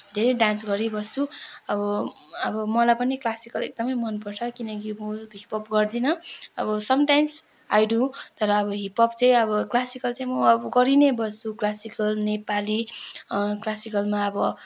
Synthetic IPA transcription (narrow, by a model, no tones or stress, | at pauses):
d̪ʱeɾʌjɖãnsɡʌɾibʌst͡sʰuʌbʌ | ʌbʌmʌlajpʌniklasikʌlḛk̚d̪ʌmʌjmʌnpʌrt͡sʰʌkinʌkimuɦipʌpɡʌrd̪inʌʌbʌsʌmʈajms | ajɖut̪ʌɾʌːbʌɦipʌpt͡sʌj̃ʌbʌklasikʌlt͡saj̃mʌːbʌɡʌɾinebʌst͡sʰuklasikʌlnepali | klasikʌlmaʌbʌ